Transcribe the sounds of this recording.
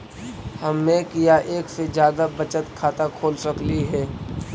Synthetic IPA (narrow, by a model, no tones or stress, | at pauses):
hɐmːẽkijaʔeːksed͡ʒjaːd̪abɐt͡ʃət̪kʰaːt̪akʰoːlsɐkliɦɛː